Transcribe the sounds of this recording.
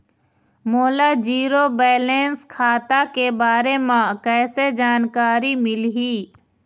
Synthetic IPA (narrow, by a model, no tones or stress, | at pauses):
moːlad͡ʒiːɾobɛːleːnskʰaːt̪akebaːɾemãkɛːsed͡ʒaːnkaːɾimɪlɦiː